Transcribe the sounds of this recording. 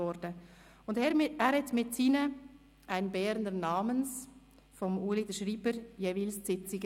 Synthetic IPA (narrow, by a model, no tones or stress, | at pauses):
ɔɾd̥ə | ʊndɛɾɛːɾhɛtmɪtsiːnə | ʔaɪnbɛːɾndənɑːməns | fɔmuːlidəʃriːbəɾjeːvilst͡sɪt͡sɪɡə